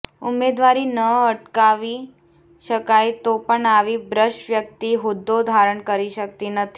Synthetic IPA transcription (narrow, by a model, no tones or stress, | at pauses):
umed̪ʋaɾiːnəəʈkaʋi | ɕəkajt̪opəɳaʋiːbɾəɕʋjək̚t̪iɦud̪ːod̪ʱaɾəɳkəɾiɕək̚t̪iːnət̪ʰi